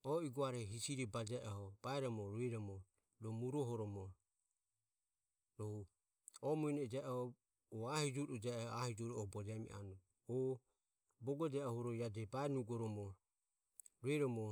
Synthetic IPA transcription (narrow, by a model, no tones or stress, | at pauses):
ɔiɡɔaɾɛɦisiɾibad͡ʒɛʔɔhɔb̥aɛɾɔmɔɾuɛɾɔmɔ | ɾɔmuɾɔɦɔɾɔmɔ | ɾɔhu | ɔmuinɛd͡ʒɛʔhɔː | ahid͡ʒuɾud͡ʒɛahid͡ʒɔɾuɔbɔd͡ʒɛmḭʔa̰nu | ɔ | bɔɡɔd͡ʒɛɔhuɾɔjad͡ʒɛbaɛnuɡɔɾɔmɔ | ɾuɛɾɔmɔ